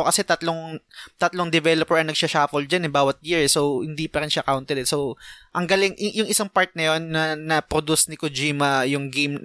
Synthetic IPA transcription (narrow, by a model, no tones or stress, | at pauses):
okɐsɛt̪ɐt̪loŋt̪ɐt̪loŋd̪ɛvɛlopɛɹɐnɐɡ̚ʃaʃafɔld̪̚d͡ʒanɛbaːwɐt̪̚jiɹsowhɪnd̪ipɐɾɪnʃaʔɐkawnt̪ɛd̪ɛso̞wʔɐŋɡɐlɪŋjʊŋʔɪsaŋpaɹt̪̚nɐjonːɐnɐpɾod̪usnɪkod͡ʒiːmɐjʊŋɡem